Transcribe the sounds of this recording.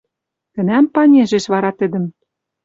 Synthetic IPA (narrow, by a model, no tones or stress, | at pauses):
t̪ɘ̆næmpɑnʲeʒeʃβɑɾɑt̪ɘ̆d̪ɘ̆m